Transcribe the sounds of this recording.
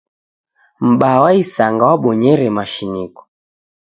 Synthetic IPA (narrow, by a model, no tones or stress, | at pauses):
m̩ɓawaisaŋɡawaɓɔɲɛɾɛmaʃinikɔ̥